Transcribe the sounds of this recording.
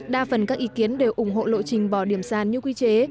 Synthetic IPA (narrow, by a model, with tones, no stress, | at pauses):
ɗaː˧fə˨˩nkaː˦˥k̚ʔi˨˦ki˨˦ənɗe˨˩wʔʊ˧˩ŋ͡mɦo̰˧˨lo̰˧˨t͡ɕï˨˩ŋ̟ɓɔ˧˩ɗi˧˩əmsaː˨˩nɲɨ˧kwi˧t͡ɕe˨˦